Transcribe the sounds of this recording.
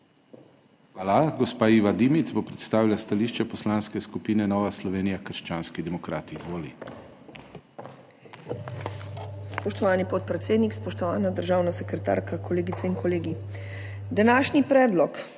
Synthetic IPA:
xʋaːlaɡɔspaːiːʋad̪imit̪zbopɾɛt̪st̪aːʋilast̪aliːʃt͡ʃɛpɔslaːnskɛskupiːnɛnɔːʋaslɔʋeːnijakəɾʃt͡ʃaːnskid̪ɛmɔkɾaːt̪iːzʋoːli | spɔʃt̪ɔʋaːnipɔt̪̚pɾɛt̪seːd̪nikspɔʃt̪ɔʋaːnad̪əɾʒaːwnasɛkɾɛt̪a̰ːɾkakɔleːɡit̪sɛinkɔleːɡi | d̪anaːʃnipɾɛːd̪lɔk

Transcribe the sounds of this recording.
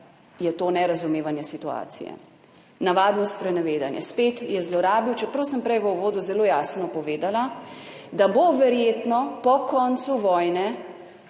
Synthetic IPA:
jɛt̪oːnɛɾazumeːʋanjɛsit̪ua̰ːt̪sḭjɛ̰ | naʋaːd̪nɔspɾɛnɛʋeːd̪anjɛ̰speːt̪jɛzlɔɾaːbiwt͡ʃɛpɾɐwsəmpɾɛjʋəuʋoːd̪uzɛloːjaːsnɔpɔʋeːd̪alad̪aboʋɛɾjeːt̪nɔpɔkɔnt̪suʋɔjnɛ

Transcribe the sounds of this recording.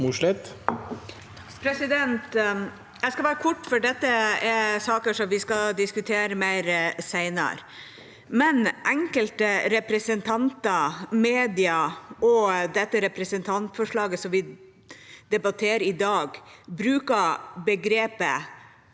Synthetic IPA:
muʂɭɪt̪ | pʰɾɛsɪd̪ɛnt̪ | ɛɪskɑʋæːɾəkʰɔʈːfɔɖɛt̪ːəɛsɑːkəʂɔmʋɪskɑd̪ɪskʉt̪ʰeːɾəmæɪɾsæɪnə̰ɾ | mɛnʔɛŋkəlt̪əɾɛpɾɛsənt̪ʰɑnt̪ɑmeːd̪ɪɑɔd̪ɛt̪ːəɾɛpɾɛsənt̪ʰɑnt̪fɔʂɭɑːɡəsɔmʋɪ | d̪̥ɛbɑt̪ʰeːɾɪd̪ɑːɡbɾʉːkɑbəɡɾeːpə

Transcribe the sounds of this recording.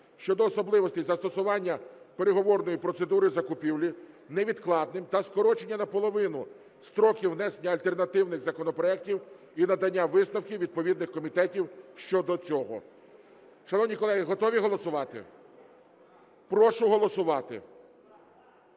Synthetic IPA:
ʃt͡ʃɔd̪ɔːsɔblˠɪʋɔsʲt̪ʲɪzɐst̪ɔsʊʋɑnʲːɐ | pe̞ɾeɦɔʋɔrnɔjipɾɔt̪se̞d̪uɾɪzɐkʊpʲiwlʲi | nɛʋʲid̪klˠɑd̪nɪmt̪ɐskɔɾɔt͡ʃe̞nʲːɐnɐpɔlˠɔʋɪnʊ | st̪ɾɔkʲiwnɛsenʲːɐɐlʲt̪ernɐt̪ɪwnɪɣzɐkɔnɔpɾɔɛk̚tʲiw | inɐd̪ɐnʲːaʋɪsnɐwkʲiʋʲid̪̚pɔʋʲid̪nɪxkɔmʲit̪ɛtʲiwʃt͡ʃɔd̪ɔt͡sʲɔɦɔ̰ | ʃɐnɔwnʲijkɔlˠɛɦiɦɔt̪ɔʋʲiɦɔlˠɔsʊʋɑt̪ɪ̰ | pɾɔʃʊɦɔlˠɔsʊʋɑt̪ɪ̰

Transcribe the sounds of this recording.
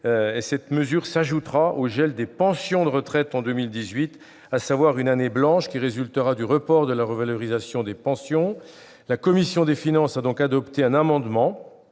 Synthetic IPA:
esɛt̪məzyʁsaʒut̪ʁaʔoʒɛld̪epɑ̃sjɔ̃d̪əʁət̪χɛt̪ɑ̃d̪ømild̪izɥit̪ | asavwaʁynaneblɑ̃ʃkʲiʁezylt̪əʁad̪yʁəpɔʁd̪əlaʁəvalɔʁizasjɔ̃d̪epɑ̃sjɔ̃ | lakɔmisjɔ̃d̪efinɑ̃sad̪ɔ̃kad̪ɔpt̪eɛ̃namɑ̃d̪mɑ̃

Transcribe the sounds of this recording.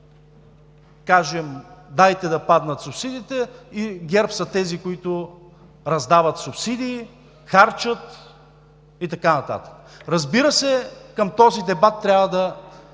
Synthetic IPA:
kaʒɛmd̪ajt̪ɛd̪ɐpad̪nət̪sʊpsid̪it̪ɛiɡʲɛɾpsɐt̪ɛzikoit̪ʊ | ɾɐzd̪avət̪sʊpsid̪iː | xaɾt͡ʃət̪ | it̪ɐkanɐt̪a̰t̪ə̥kəɾɐzbiɾəsɛkəmt̪ɔzid̪ɛbat̪ːɾʲavəd̪ɐ

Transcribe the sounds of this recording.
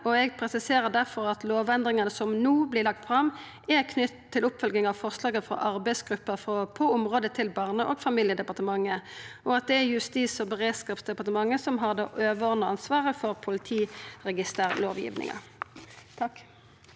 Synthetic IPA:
ʔɔɛɡpʰʁɛsɪseːʁəd̪æʁfɔʁɑt̪loːʋɛnd̪ʁɪŋɑnəsɔmnuːblɪlɑk̚t̪fʁɑm | ʔɛʁkʰnʏt̪t̪ʰːɪlʊpːfœlɡ̪ɪŋɑʋfɔʁslɑːɡəfʁɔ̰ʔɑʁbæɪsɡ̥ʁʉpːəfʁɔpʰɔʊmʁoːd̪ət̪ʰɪlbɑːʁnəʔoːɡfɑmɪljəd̪ɛpɑʁt̪əmɑŋːəɔɑt̪̚d̪ɛæjʉst̪iːsɔbəʁeːd̪skɑːpsd̪ɛpɑʁt̪əmɑŋːəsɔmɦɑʁd̪ɑ̰ːʔøːʋəɔʁnəɑnsʋɑːʁəfɔʁpʰʊlɪt̪ʰiːʁɛɡɪst̪eːʁloːʋjɪ̰ːʋnɪ̰ŋɑ̰ | t̪ʰɑkː

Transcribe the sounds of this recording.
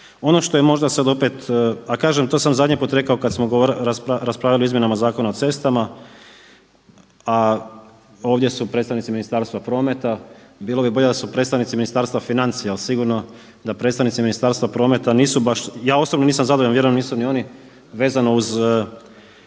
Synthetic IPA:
o̞no̞ʃt̪ojemo̞ʒd̪asad̪o̞pet̪akaːʒemt̪oːsamzad̪ɲipuːt̪ɾe̞kaokad̪smoɡooɾɾaspaɾaspɾaʋilioizmjenamazaːko̞nao̞t̪se̞st̪ama | a | o̞ːʋd̪je̞supɾet̪st̪aʋnit̪siminist̪aːɾst̪ʋapɾo̞ːmet̪abiːlˠobibo̞ʎed̪asupɾet̪st̪aʋnit̪siminist̪aːɾst̪ʋafinant̪sialsiɡuɾno̞ | d̪apɾe̞t̪t̪aʋnit̪siminist̪aːɾst̪ʋapɾo̞ːme̞t̪aniːsubaʃjaːo̞sobnoniːs̬amzad̪ooenʋje̞ɾuemniːsunio̞ni | ʋe̞ːzanouz

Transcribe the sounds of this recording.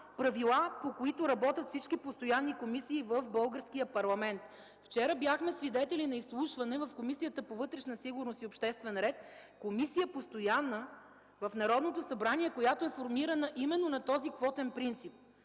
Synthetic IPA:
pɾɐvilˠapokoit̪oɾɐbɔt̪ʲɐt̪fsit͡ʃkipost̪ojanːikomisiːvəfbɤlˠɡəɾsk̟ijəpɐɾlˠɐmɛnt̪ | ft͡ʃɛɾəbjaxmɛsvid̪ɛt̪ɛlinɐislˠuʃvɐnɛvɐfkomisijət̪əpovɤt̪ɾɛʃnəsiɡʊɾnosiopʃt̪ɛst̪vɛnɾɛt̪komisijəpost̪ojanːə | vəfnɐɾɔd̪not̪osɐbɾaniɛkojat̪oɛfoɾmiɾənəʔimɛnːonɐt̪ɔzikvɔt̪ɛnpɾint̪sip̚

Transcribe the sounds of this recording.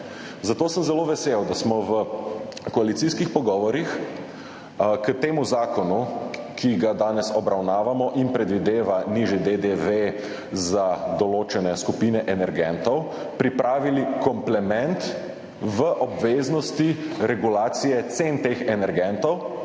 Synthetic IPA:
zat̪oːsəmzɛloʋɛsewd̪asmɔʋəkɔalit̪iskixpɔɡɔːʋɔɾix | kət̪eːmuzaːkɔnukʰiɡad̪aːnɛsɔbɾawnaːʋamɔʔinpɾɛd̪ʋid̪eːʋaniʒjɛd̪ed̪eʋe | zad̪ɔloːt͡ʃɛnɛskupiːnɛʔɛnɛɾɡɛnt̪ɔw | pɾipɾaːʋilikɔmplɛmɛnt̪ | ʋəʔɔbʋeːznɔst̪iɾɛɡulaːt̪sijɛt̪sent̪eːxɛnɛɾɡɛnt̪ɔw

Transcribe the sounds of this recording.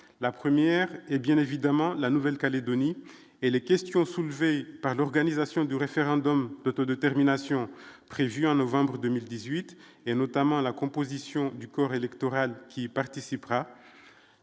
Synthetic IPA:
lapχəmjɛʁɛbjɛ̃nevid̪amɑ̃lanuvɛlkaled̪ɔni | elekʲɛst̪jɔ̃sulvepaʁlɔʁɡanizasjɔ̃d̪yʁefeʁɑ̃d̪ɔmd̪ot̪ɔd̪et̪ɛʁminasjɔ̃pχevyɑ̃nɔvɑ̃bʁəd̪ømild̪izɥit̪ | enɔt̪amɑ̃lakɔ̃pozisjɔ̃d̪ykɔʁelɛkt̪ɔʁalkʲipaʁt̪isipʁa

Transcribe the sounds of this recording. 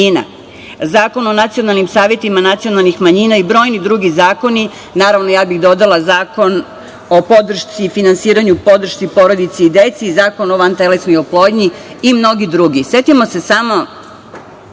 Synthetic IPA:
ina̰ | zaːko̞no̞nat̪sijo̞nalˠnimsaːʋʲjet̪imanat̪sijo̞nalˠnixmaɲiːnaibɾo̞ːjnid̪ɾuːɡizaːko̞ni | naːɾaʋnojaːbixd̪o̞d̪alˠazaːko̞n | o̞po̞d̪r̩ʃt̪sifinansiːɾaɲupo̞d̪r̩ʃt̪ipo̞ɾod̪it̪seid̪et̪sizaːko̞noʋant̪elesnojoplˠo̞ːd̪ɲiː | mno̞ɡid̪ɾuɡise̞t̪imo̞se̞samo̞

